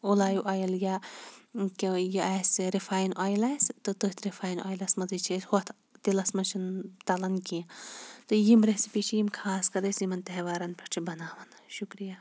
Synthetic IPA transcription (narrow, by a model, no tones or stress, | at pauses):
olaːjuʔaːjɐlja | kijiasɾifʰaːjnʔaːjlajst̪ɨt̪ot̪ʰɾifʰaːjna̰ːjlɐsmɐzit͡ʃʰishot̪ʰ | t̪ilɐsmɐnt͡ʃʰint̪ɐlɐnkĩt̪ɨjimɾesipit͡ʃʰijimkʰaːskɐɾɐsimɐnt̪ɐɦʋaːɾɐnpɐʈt͡ʃʰibɐnaːʋɐnʃukɾija